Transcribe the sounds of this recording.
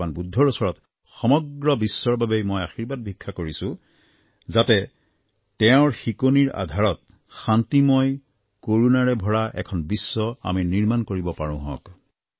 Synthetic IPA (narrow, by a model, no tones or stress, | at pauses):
anbudʱːɔɹɔsɔɹɔt | xɔmɔɡɹɔbisːɔɹbabejmojaxiɹbad̚bʱikʰːakoɹisʊ̃ | zatɛ | tɛʊ̃ɹxikoniɹa̰dʱaɹɔt̚ | xantimɔj | koɹunaɹɛbʱɔɹaʔɛ̰kʰɔnbisːɔa̰miniɹmankoɹibɔpaɹʊ̰̃ɦɔ̰̃k